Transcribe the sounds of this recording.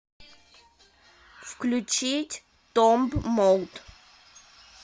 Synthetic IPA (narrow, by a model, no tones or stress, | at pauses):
fklʲut͡ɕitʲ | t̪ɔmbmɔlt̪